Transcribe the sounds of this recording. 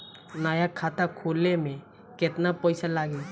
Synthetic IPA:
najakʰːat̪akʰolɛmɛ | kɛt̪napɔjsalaɡi

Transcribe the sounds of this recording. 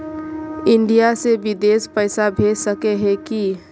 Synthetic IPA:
ɪɳɖijasebɪd̪eːspəɪsabʱeːd͡ʒsəkeɦɛki

